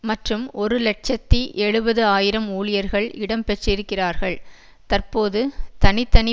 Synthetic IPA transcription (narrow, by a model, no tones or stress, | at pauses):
mɐʈrɯmɔɾɯlɛʈ̚t͡ʃɐt̪ːiʔɛɻɯbɐðɯaːjɪɾɐmuːɭɪjɐɾɣɐɭɪɽɐmpɛʈrɪɾɯkːɪraːɾɣɐɭ | t̪ɐrpoːðɯt̪ɐnɪt̪ːɐnɪ